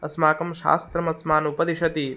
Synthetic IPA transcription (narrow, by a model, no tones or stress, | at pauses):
ɐsmaːkɐmʃa̰ːst̪ɾɐmɐsmaːnupɐd̪iʃɐt̪i